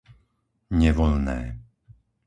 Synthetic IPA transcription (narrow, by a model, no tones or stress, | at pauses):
ɲɛʋɔlnɛː